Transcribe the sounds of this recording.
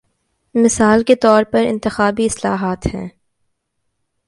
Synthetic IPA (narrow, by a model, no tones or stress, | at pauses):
mɪsaːlket̪ɔːɾpɐɾɪ̰̃nt̪ɪxaːbiɪslaːɦaːt̪hɛ̃ː